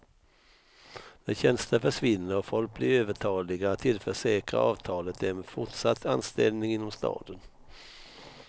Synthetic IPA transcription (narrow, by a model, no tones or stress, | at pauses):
d̪̥æɕɛnst̪əfœʂvɪnːəɾɔfɔlk̚blɪɾøːvəʈʰɑːlɪɡat̪ʰːɪlfœʂɛːkɾa̰ʔɑːvt̪ʰɑːlət̪ɛɛnfʊʈʂat̪ʰːanst̪ɛlnɪŋɪnːɔmst̪ɑ̰ːd̪ən